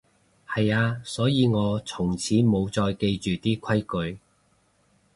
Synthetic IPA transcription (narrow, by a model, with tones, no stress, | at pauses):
hɐ˨jaː˧sɔː˨˥jiː˨˧ŋɔː˨˧t͡sʰʊ˨˩ŋt͡sʰiː˨˥mo˨˧wt͡sɔː˧jke˧jt͡ʃyː˨t̪iː˥kʷʰɐ˥jkɵ˨˧ɥ